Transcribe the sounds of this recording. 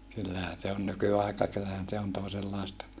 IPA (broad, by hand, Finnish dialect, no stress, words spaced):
kylːæhæ se on nykyɑˑikɑ kylːæhæn se on toˑeselːɑˑestɑ